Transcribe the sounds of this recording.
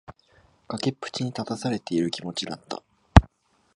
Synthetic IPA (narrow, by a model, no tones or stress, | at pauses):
ɡ̥akepːɯ̥t͡ɕiɲ̟it̪at̪asaɾe̞t̪e̞iɾɯ̟kʲimo̞t͡ɕid̪a̰t̪ːa̰